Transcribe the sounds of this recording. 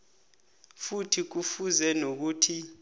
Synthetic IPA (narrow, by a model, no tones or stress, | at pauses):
futʰik̬ufuzɛnok̬uːtʰi